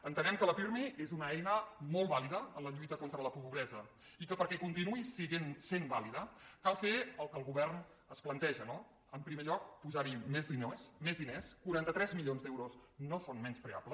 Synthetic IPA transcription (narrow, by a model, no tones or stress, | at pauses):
ənt̪ənɛmkələfiɾmeezunəɛjnəmolˠβaliðəənləʎujt̪əkont̪ɾələpupuβɾɛzə | ikəpəɾkɛkunt̪inuisiɣensembaliðəkalˠfeəlˠkəlˠɣuβɛrn | əsplənt̪ɛʒəno | əmpɾimeʎɔk̚puzaɾimezðinosmezðineskuɾant̪ət̪ɾɛzmilʎionzd̪ɛwɾoznosonmɛnspɾea̰plə